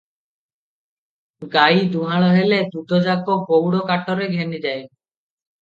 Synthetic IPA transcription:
ɡajd̪uɦaɭɔɦeled̪ut̪ɔd͡ʒakɔkowɽɔkaʈɔɾeɡʱenid͡ʒaj

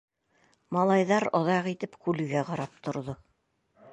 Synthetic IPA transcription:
mɑlˠɑjðɑɾɑ̆ðɑqit̪ɘpkʉlɘ̆ɡæqɑɾɑp̚t̪ŏɾðo

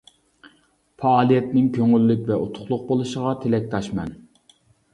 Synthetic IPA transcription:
fɑːlˠijɛt̪nɪŋkʲʰøŋylːykʲvɛʔot̪ʰʊ̥χlˠʊq̚bolˠuʃəʁɑt̪ʰelɛk̚ʲt̪ʰɑʃmɛn

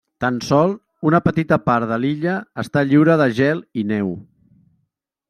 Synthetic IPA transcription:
t̪ənsɔlˠ | unəpət̪it̪əpaɾðəliʎəːst̪aʎiwɾəðəʒɛlˠinɛw

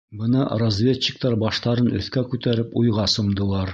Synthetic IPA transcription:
bɤnɑrozʲvʲet͡ɕːɪ̥k̚t̪ɑɾbɑʃt̪ɑɾɤnɵ̆θkækʉt̪æɾɘpujʁɑsŏmd̪ɤ̆lˠɑɾ

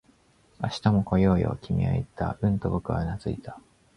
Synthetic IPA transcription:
aɕi̥t̪amo̞ko̞joːjo̞̰kʲimʲḭo̰it̪a̰ɯ̟̃nt̪o̞bokɯ̟βa̰nazɨit̪ḁ

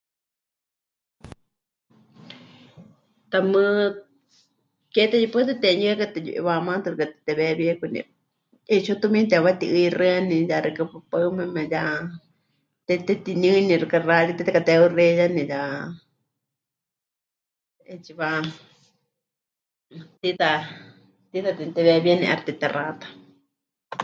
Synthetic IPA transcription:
t̪amɨ̃ | ket̪ejipɨt̪et̪eɲɨ̃kat̪ejṵʔḭβamãt̪ɨɾɨkat̪t̪ɛβeβiekʷunḭ̃ | et͡ʃot̪umĩt̪̬eβat̪iʔɨirɨanĩjaɾɨkapɨpamɛ̃mɛ̃ja | t̪et̪et̪iɲɨ̃nĩɾɨkaraɾit̪it̪akat̪eurejanĩja | et͡ʃiβa | t̪it̪a | t̪iðat̪it̪eβeβjenḭ̃ʔa̰ɾt̪et̪erʔat̪ḁ

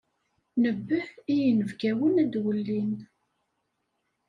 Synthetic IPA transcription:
nəbːəhijənəvɡæwənæd̪wəlːin

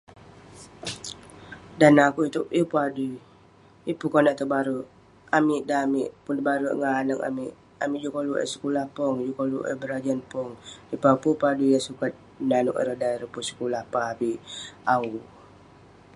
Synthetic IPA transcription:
danakuit̪uʔipuadu | ipukonaʔt̪əbaɾuʔ | amiʔdamiʔpunt̪əbaɾuʔŋanəŋa̰miʔ | amiʔd͡ʒukoluʔə̰sə̥kulahpɔŋd͡ʒukolṵʔɛ̰bəɾad͡ʒanpɔŋipapupadujasukat̪̚ | nanuʔə̰ɾədaiɾəpusə̥kulahpaabiʔau

